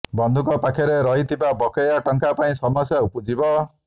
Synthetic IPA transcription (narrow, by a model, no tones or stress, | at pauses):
bɔnd̪ʱukɔpakʰɔɾeɾɔɦit̪ʰibabɔkɔjaʈɔŋkapaĩsɔmɔsjaupud͡ʒibɔ